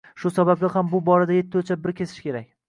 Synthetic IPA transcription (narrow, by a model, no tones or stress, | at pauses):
ʃʊsabablʲahambʊbɒɾad̪aje̞t̪ʰːɪot͡ʃʰabɪɾkʲʰesɪ̥ʃkʲe̞ɾak̚ʲ